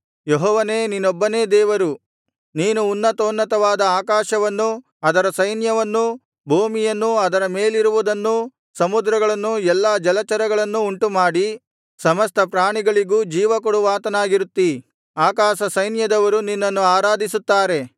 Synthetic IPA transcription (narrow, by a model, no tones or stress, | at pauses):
jeɦɔːʋɐne̞ːninːɔbːɐneːd̪ɛːʋɐɾu | niːnuːnːɐt̪oːnːɐt̪ɐʋaːd̪ɐaːkaːʃɐʋɐnːu | ɐd̪ɐɾɐsɐjnjɐʋɐnːu | bʱoːmijɐnːuɐd̪ɐɾɐme̞ːliɾuʋud̪ɐnːu | sɐmud̪ɾɐɡɐɭɐnːuɛlːaːd͡ʒɐlɐt͡ʃɐɾɐɡɐɭɐnːuːɳʈumaːɽi | sɐmɐst̪ʰɐpɾaːɳiɡɐɭiɡuːd͡ʒiːʋɐkɔɽuʋaːt̪ɐnaːɡiɾut̪ːi | aːkaːʃɐsɐjnjɐd̪ɐʋɐɾuninːɐnːuaːɾaːd̪isut̪ːaːɾe̞